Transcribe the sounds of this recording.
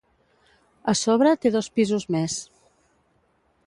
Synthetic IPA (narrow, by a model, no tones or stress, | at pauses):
əsoβɾət̪eðospizuzmes